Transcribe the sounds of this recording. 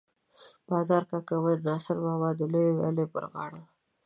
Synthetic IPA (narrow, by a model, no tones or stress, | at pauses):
b̥ɑzɑɾkakawənɑsaɾwɑwɑd̪əlojewa̰lepə̰ɾɣɑ̰ɽa